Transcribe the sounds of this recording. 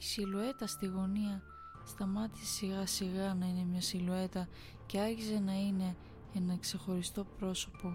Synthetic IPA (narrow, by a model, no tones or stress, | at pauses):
isilue̞t̪ɐst̪iɣo̞niɐ | st̪ɐmɐt̪i̥sesiɣɐsiɣɐnɐine̞mɲɐsilue̞t̪ɐ | ce̞ɐɾçize̞nɐine̞ | enɐkse̞xo̞ɾist̪o̞pɾo̞so̞po̞